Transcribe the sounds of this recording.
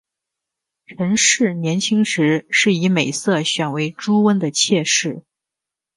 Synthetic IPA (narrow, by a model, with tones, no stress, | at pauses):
ʈ͡ʂʰə˧˥ŋʂɻ̩˥˩njɛ˧˥nt͡ɕʰi˥ŋʂɻ̩˧˥ʂɻ̩˥˩i˧˥me˨˩ɪsɤ˥˩ɕɥɛ˨˩nwe˧˥ɪʈ͡ʂu˥wə˥nd̪ə˨t͡ɕʰjɛ˥˧ʂɻ̩˥˩